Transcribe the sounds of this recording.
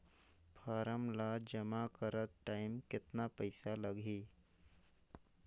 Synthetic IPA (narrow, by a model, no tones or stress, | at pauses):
fʰaːɾəmlad͡ʒəmakəɾət̪̚ʈaɪmkɪt̪napəjsaləɡʱiː